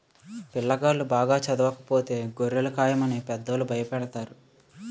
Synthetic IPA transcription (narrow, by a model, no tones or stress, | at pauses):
pilːɐɡaːlubaːɡaːt͡ʃɐd̪ɐʋɐkɐ̥po̞ːt̪e̞ːɡoɾːelɐkaːjɐmɐneːpɛd̪ːɐlubʱɐjɐpɛɽɐt̪aːɾu